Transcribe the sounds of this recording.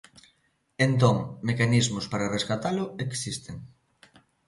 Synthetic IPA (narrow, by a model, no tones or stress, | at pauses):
ent̪̬õŋmekanizmʊspaɾareskat̪alʊeksist̪eŋ